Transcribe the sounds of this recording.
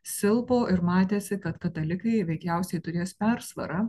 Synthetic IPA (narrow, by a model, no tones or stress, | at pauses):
sʲɪlˠpoːʔɪɾmɑːt̪ʲeːsʲɪkɐt̪kɐt̪ɐlʲɪkɐɪʋʲɛɪkʲɛʊsʲɛɪt̪ʊɾʲeːspʲɛɾsʋɐ̰ɾɐ